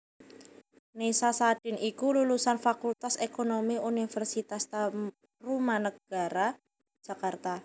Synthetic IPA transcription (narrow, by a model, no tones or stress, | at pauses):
nesasaɖ̥ɪ̤nikululusanfakult̪asekonomiunifɛrsit̪ast̪a | rumanəɡ̥a̤ɾḁ | ʒ̥a̤kart̪a